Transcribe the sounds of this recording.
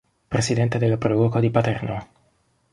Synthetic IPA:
pɾesid̪ɛnt̪ed̪elːapɾɔvokod̪ipat̪ɛrno

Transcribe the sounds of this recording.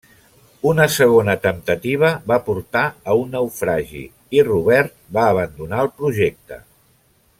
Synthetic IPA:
unəsəɣ̞onət̪əmt̪ət̪iβ̞əβapuɾt̪aəunːəwfɾaʒḭ | iruβ̞ɛɾt̪̚baːβ̞ənd̪unaəlˠpɾuʒɛk̚t̪ə̰

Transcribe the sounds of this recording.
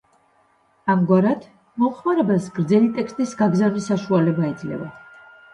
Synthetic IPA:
amɡwaɾad̪̥ | mɔmχmaɾɛbasɡ̥ɾd̪zɛlit̪ʼɛkst̪ʼisɡaɡzavnisaʃualɛbaid̪zlɛ̰va̰

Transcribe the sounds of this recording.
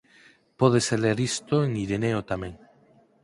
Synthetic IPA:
poð̞eseleɾist̪oeŋiɾeneot̪amẽŋ

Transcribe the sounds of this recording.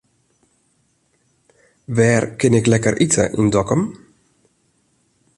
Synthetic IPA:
ʋɛːrkɪnɪklɛkərʔitə̰ʔindɔkəm

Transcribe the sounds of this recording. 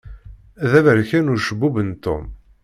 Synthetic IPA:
æðævəɾçænuɾʃəbːuvənt̪o̰m

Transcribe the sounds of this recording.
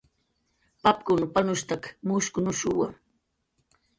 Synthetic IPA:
pap̚kʊnpanʊst̪akmʊskʊnʊʃuwa̰

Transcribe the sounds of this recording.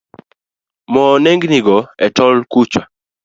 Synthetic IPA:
mɔneŋɡniɡɔɛtɔlkut͡ʃwa

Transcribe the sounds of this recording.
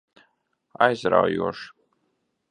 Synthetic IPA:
ajzɾa̰wjuɔʃ

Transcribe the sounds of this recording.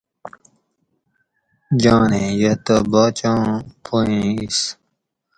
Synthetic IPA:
d͡ʑãːnẽjɐt̪ɐbaːt͡ɕãːpʰoẽːis

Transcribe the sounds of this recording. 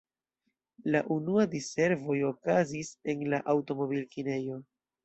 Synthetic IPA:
laʔunuadise̞ɾvo̞jo̞kazise̞nlaʔawto̞mo̞bilkine̞jo̞

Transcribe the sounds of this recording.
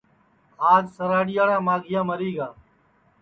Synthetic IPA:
aːd͡ʒsəɾaːɽɪjaːɽãːmaːɡʱɪjãːməɾiːɡaː

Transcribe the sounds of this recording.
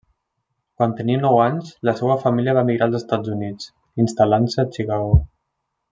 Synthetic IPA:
kwant̪əniənɔwaɲzləsɛwəfamiliəβamiɣɾalˠzəst̪ad͡zunit͡s | inst̪alansəːt͡ʃiɣaw

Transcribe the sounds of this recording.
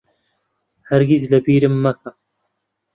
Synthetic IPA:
hɐɾɡʲizlɐbiːɾɨmːɐkʰɐm

